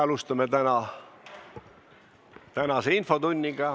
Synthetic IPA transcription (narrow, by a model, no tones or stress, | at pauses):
ɑlust̪ɑmet̪ænɑ | t̪ænɑseinfo̞t̪unʲːiɡ̥ɑ